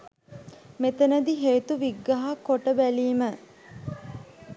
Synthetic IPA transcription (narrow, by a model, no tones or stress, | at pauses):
met̪ənəd̪iɦeːt̪uʋiɡːɐɦakoʈəbæliːmə